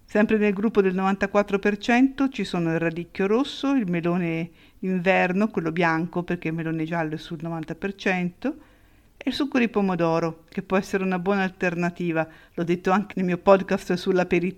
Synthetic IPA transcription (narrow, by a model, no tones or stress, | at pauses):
sɛmpɾenelɡɾupːod̪elnovant̪akwat̪ːɾopert͡ʃɛnt̪ot͡ʃisoːnoilrad̪ikjoɾosːoilmeloːne | iɱvɛrnokwelːobjaŋkoperk̟eilmeloːned͡ʒalːoɛsulnovant̪apert͡ʃɛnt̪o | eilsukːod̪ipomod̪ɔːɾok̟epːwɔɛsːeɾeunabwɔːnaːlt̪ernat̪iːvalɔd̪ːet̪ːoaŋk̟enelmiopɔd̪kast̪sulːapeɾi